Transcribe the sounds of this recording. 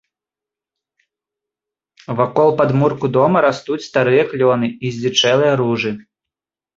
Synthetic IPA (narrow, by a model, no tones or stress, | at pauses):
vakɔlˠpad̪murkud̪ɔmɐɾast̪ut͡sʲst̪aɾɨjɐklʲɔnɨizʲlʲit͡ʂɛlˠɨjɐɾuʐɨ